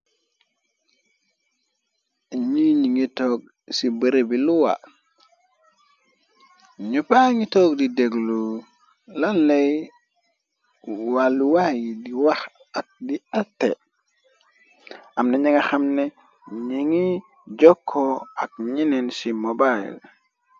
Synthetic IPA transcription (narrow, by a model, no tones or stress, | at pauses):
ɲiɲiŋitoɡ̚ | sibəɾebiluwa̰ | ɲupaŋitoɡdideɡlu | lanlej | waluwajidiwax | ak̚dialtḛ | amneɲiŋaxamne | ɲiŋi | d͡ʒokʰːoak̚ɲinensimobaḭl